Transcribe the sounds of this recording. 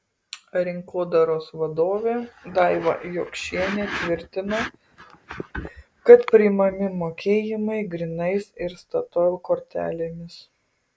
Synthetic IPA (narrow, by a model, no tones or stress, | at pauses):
ɐɾʲɪŋkoːd̪ɐɾoːsʋɐd̪oːʋʲeːd̪ɑɪʋɐ̰joːkʃʲiɛnʲet̪ʲʋʲɪɾʲt̪ʲɪnɐ | kɐt̪pʲɾʲɪmɐmʲɪmoːkʲeːjɪmɐɪɡɾʲɪnɐɪsɪɾst̪ɐt̪ɔlkoːɾʲt̪ʲæ̰ːlʲemʲɪs